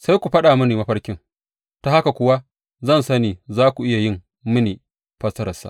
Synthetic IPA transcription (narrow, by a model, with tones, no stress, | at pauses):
sa˦jkʷu˨ɸɐ˦ɗaː˨mʊ˦niː˨mɐ˦ɸɐ˦rkʲɪ˦ŋ | ta˨ha˦ka˨kʷʊ˦wa˦ | zɐ˦˨nsɐ˦niː˨zaː˦kʷu˨ʔɪ˦ja˨jɪ˦˨m | mɪ˦niː˨ | ɸɐ˦sɐ˦ɾɐ˨sa̰˦˨